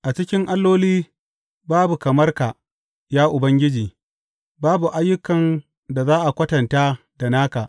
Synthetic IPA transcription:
ʔa˨t͡ʃɪ˦kʲɪ˦ŋʔa˦lːoː˦liː˦ | baː˦bu˨kɐ˨mɐ˦rka˨ | jaː˦ʔʊ˨bɐ˦ŋɡʲɪ˦d͡ʒiː˨ | baː˦bu˨ʔa˦jːʊ˦kɐ˨n | da˨zaː˦ʔa˨kʷɐ˦tɐ˨nta˦ | da˨naː˦ka˨ʔ

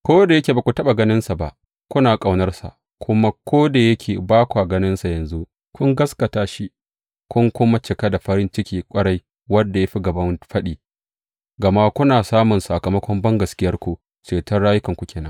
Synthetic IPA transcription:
kʷoː˦da˨jɐ˦kʲeː˨ba˨kʷu˨tɐ˦ɓa˨ɡɐ˦nɪ˦nsa˨ba˦ʔ | kʷʊ˦naː˨kʼa˨wnɐ˦rsa̰˨ʔ | kʰʷʊ˦ma˦kʰʷoː˦da˨jɐ˦kʲʰeː˨baː˦kʷu˨ʔa˨ɡɐ˦nɪ˦nsa˨jɐ˨nzu˦ | kʷʊ˦ŋɡɐ˦skɐ˨taː˦ʃi˦ | kʷʊ˦ŋkʷʊ˦ma˦t͡ʃɪ˨ka˦da˨ɸɐ˦ɾɪ˦nt͡ʃɪ˦kʲiː˦kʷʼɐ˦ɽa˦j | wɐ˦dːa˨ja˦ɸi˦ɡɐ˨bɐ˦mɸɐ˦ɗiː˨ | ɡɐ˨ma˦kʷʊ˦naː˨saː˦mʊ˨nsa˨kɐ˨mɐ˦kʷɔ˦mbɐ˦ŋɡɐ˨skʲɪ˦jɐ˦rkʷu˨ | t͡ʃeː˨tɐ˦rɽaː˦jʊ˦kɐ˨ŋkʷu˦kʲeː˨nɐ˦

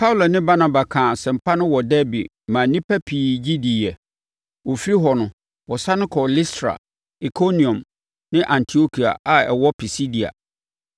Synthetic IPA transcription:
pʰa˦u˦la˨nɪ̃˦ba˦na˨ba˨kʰã˨sɛ̃˨m̩˨pʰa˦nʊ̃˦wɔ˨dɛ˦bḭ˨ | mã˨nĩ˦pʰɛ˦pʰiː˨d͡ʑi˦di˨jɛ˨ | wɔ˨fi˦ɾi˦ɦɔ˨nʊ̃˨ | wɔ˨sa˦nʊ̃˦kʰɔ˨li˦stʰɾa̰˨ | i˨kʰo˦nĩ˨ɔ̃˨m | nɪ̃˦ʔã˨ntʰi˨˦o˦kʰi˨a̰˨a˨ɛ̰˨wɔ˦pʰi˨si˦di˨a̰˨

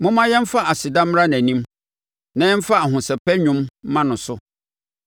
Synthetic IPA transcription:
mʊ̃˦mã˦jɛ̃˦m̩˦fa˦a˨sɪ˨dã˦m˦ɾa˦næ̃˨nĩ˦m | nã˦ɛ̃˦m̩˦fa˦a˨ɦʊ̃˨sɛ˨pɛ˦ɲᶣʊ̃˦mːã˦nʊ̃˨sʊ˦

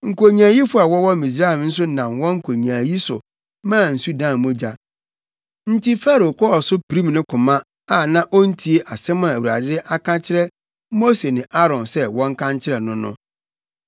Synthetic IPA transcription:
ŋ̩˨ko˨ɲãː˨ji˦fʊ˦a˨wɔ˦wɔ˦mĩ˨s̬ɾa˦ɛ˨m˦n̩˦s̬ʊ˦nã˨mwɔ̃˦ŋ̩˦˨kʰo˨ɲ˨ãː˨ji˦sʊ̰˨ | mãː˦˨n̩˨su˦dãː˦˨mʊ̃˦d͡ʑa˨ | n̩˦tʰi˦fa˦ɾo˨kʰɔ˦ɔ˨sʊ˦pi˨ɾi˦m˨nʊ̃˦kʰʊ̃˨mã˦ | a˨nã˦ʔo˦n̩˦tʰi˨˦e˦ʔa˨sɛ̃˦mã˨wu˨ɾa̰˨dɪ˦dɪ˦ʔa˦kã˦t͡ɕʰɪ˦ɾɛ˦ | mo˦se˨nɪ̃˨ʔa˦ɾɔ̃˨nsɛ˦wɔ̃˦ŋ̩˦kʰã˦ɲt͡ɕʰɪ˦ɾɛ˨nʊ̃˦nʊ̰̃˦

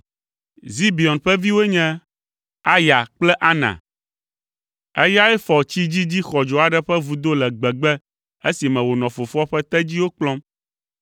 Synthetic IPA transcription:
zi˦bi˨ɔ˨nɸɛ˦vi˦wo˦ɲɛ̃˦ | a˦ja˨k͡plɛ˦ʔa˦nã̰˨ | ɛ˦ja˦ɛ˦fɔ˨t͡ɕi˦d͡ʑi˦d͡ʑi˦xɔ˨d͡ʒɔ˨a˨ɖɛ˦ɸɛ˦vu˨d̪o˦lɛ˨ɡ͡bɛ˨ɡ͡bɛ˦ | e˦si˨mɛ̃˨wo˨nɔ̃˨fo˨fɔ˦ɸɛ˦t̪ɛ˦d͡ʑi˦wo˦k͡plɔ˦m

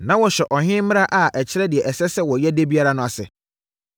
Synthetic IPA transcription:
nã˨˦wɔ˨ɕᶣɛ˨ʔɔ˨ɦɪ̃˦mɪ̃˦a˦ʔa˨ʔæ˨t͡ɕʰɪ˦ɾɛ˦dɪ˨ɛ˨ʔɛ˨sɛ˦sɛ˦wɔ˨jɛ˦de˦bi˦a˦ɾa˦nʊ̃˦˨a˨sɪ̰˨

